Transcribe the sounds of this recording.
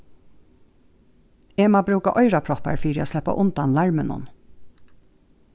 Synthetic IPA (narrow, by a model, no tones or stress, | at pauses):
eːmaːbɾʉːkaʔɔʏɾapʰɾɔpa̰ɹfiːɾɪaslɛhpa̰ʔʊnt̪anlɑɹmənʊ̰n